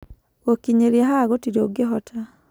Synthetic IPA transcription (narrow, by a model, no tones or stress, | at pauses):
okiɲeɾiaɦaɣotiɾoɡeɦɔtʰa